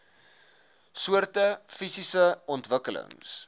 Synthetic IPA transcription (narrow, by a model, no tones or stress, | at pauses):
suərtəfisisəɔntvəkələ̰ŋs